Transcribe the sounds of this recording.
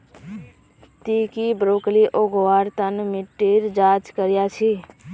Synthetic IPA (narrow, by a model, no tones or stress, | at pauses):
t̪iːkibɾoːkliʔoːɡwaːɾt̪ənmɪʈːiːɾd͡ʒaːt͡ʃkəɾjat͡ʃʰiː